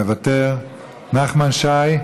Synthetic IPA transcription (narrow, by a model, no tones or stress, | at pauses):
evateʁ | naχmanʃaj